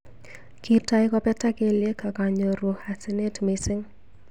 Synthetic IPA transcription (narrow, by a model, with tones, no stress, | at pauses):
ki˦ta˦jkɔ˦pɛ˦ta˦ke˦lje˦ka˨ka˨ɲo˨ɾwo˨ha˨sɪ˦ne˦tmɪ˨sɪ˦ŋ